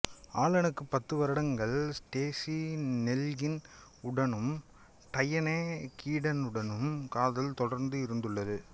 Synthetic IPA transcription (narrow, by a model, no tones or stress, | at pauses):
aːlɐnɯkːɯpːɐt̪ːɯʋɐɾɐɽɐŋɡɐɭsʈeːsinɛlɣɪnʊɽɐnɯm | ʈɐjɐneːkiːɽɐnɯɽɐnɯmkaːðɐlt̪ɔɽɐɾnd̪ɯɪɾɯnd̪ɯɭːɐðɯ